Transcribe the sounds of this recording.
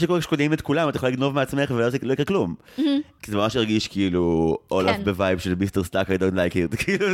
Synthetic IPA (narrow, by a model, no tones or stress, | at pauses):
ʃekoeʃkodimetkulamatajχoliɡno̞vmeat͡sme̞χvelozlo̞ikʁeklum | kizemamaʃeʁɡiʃkiluʔolafbevajbʃelmisteʁstakajdõntlajkitkiiːlu